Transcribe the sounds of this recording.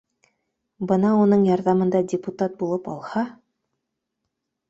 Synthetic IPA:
bɤnɑunɤɴjɑɾðɑmɤ̆nd̪ɑdʲɪput̪at̪̚bulˠɤpɑ̰lˠhɑ

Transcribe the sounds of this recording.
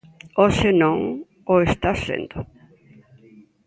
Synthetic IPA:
osenõŋ | oest̪asḛnd̪o

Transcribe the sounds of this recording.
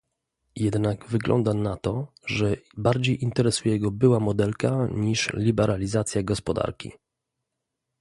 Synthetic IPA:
jɛd̪naɡvɘɡlɔ̰nd̪anat̪ɔ | ʐɛbaɾd͡ʑejʔint̪ɛɾɛsujɛɡɔbɘwamɔd̪ɛlkaɲiʂlʲibɛɾalʲizat̪sʲjaɡɔspɔd̪a̰ɾkʲḭ

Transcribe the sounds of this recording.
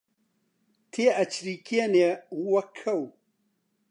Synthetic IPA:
t̪ʰeɐt͡ɕɾikeneɣuwɐkʰɐw

